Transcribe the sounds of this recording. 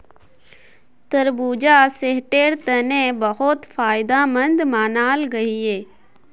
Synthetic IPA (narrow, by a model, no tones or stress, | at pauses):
t̪əɾbuːd͡ʒaseɦʈeːɾt̪ənẽbəɦʊt̪faːɪd̪aːmə̃nd̪maːnaːlɡəiɦeː